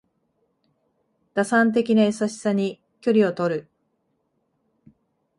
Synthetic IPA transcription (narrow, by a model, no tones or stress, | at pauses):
d̪̥asãnt̪̬e̞kʲinaesaɕi̥saɲ̟i | kʲo̞ɾʲio̞t̪o̞ɾɯ̟